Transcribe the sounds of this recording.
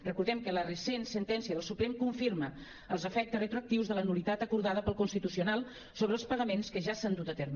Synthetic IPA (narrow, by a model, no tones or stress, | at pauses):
rəkuɾðɛmkələrəsensənt̪ɛnsiəðəlˠsupɾemkuɱfiɾmə | əlˠzəfɛk̚t̪əsrət̪ɾuək̚t̪iwzðələnulit̪at̪əkuɾðaðəpəlˠkunst̪it̪usiunalˠ | soβɾəlˠspəɣəmenskəʒasand̪ut̪ət̪ɛɾm